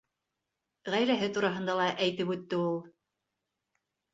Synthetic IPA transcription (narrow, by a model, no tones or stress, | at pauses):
ʁæjɾæɦɘt̪uɾɑɦɤ̆nd̪ɑlˠɑʔæjt̪ɘpʉt̪ːɘulˠ